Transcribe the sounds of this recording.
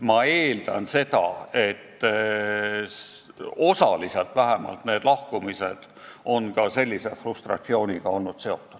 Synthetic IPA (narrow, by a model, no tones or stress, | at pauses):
mɑe̞ːld̪̥ɑnse̞d̪ɑe̞t̪ː | o̞sɑliselt̪væɦemɑ̰lt̪neːd̪̥lɑhkumise̞d̪̥ | o̞nkɑse̞lʲːise̞frust̪rɑ̰t̪sio̞ːnʲiɡ̥ɑo̞lnud̪̥se̞o̞t̪ːˑu̥d̪̥